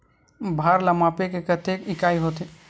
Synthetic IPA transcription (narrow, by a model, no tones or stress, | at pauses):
bʱaɾlamapekekət̪ekikaiɦot̪i